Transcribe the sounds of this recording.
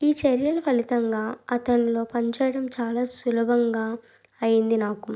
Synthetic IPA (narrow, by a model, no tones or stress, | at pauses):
iːt͡ʃeɾjɐlɐpɐlit̪ɐŋɡaːɐt̪ɐɳlo̞ːpɐɲt͡ʃɛːjɐɽɐmt͡ʃaːlaːsulɐbʱɐŋɡaː | ɐjind̪inaːku